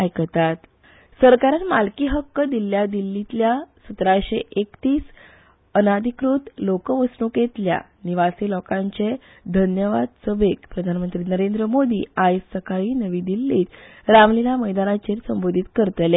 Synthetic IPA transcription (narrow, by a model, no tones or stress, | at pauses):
ajkət̪at̪ | səɾkaɾanmalkiːɦəkːəd̪ilːjad̪ilːit̪ljasət̪ɾaɕeʔekt̪iːs | ənad̪ʱikɾut̪lokəʋəsnuket̪lja̰ | niʋasilɔkãɲt͡ɕe | d̪ʱənjəʋa̰d̪səbʱekpɾəd̪ʱanmənt̪ɾiːnəɾend̪ɾəmod̪ʱḭːajsəkaɭiːnəʋiːd̪ilːiːt̪ɾamlinaməjd̪anat͡ɕeɾsəmbod̪ʱit̪kəɾt̪le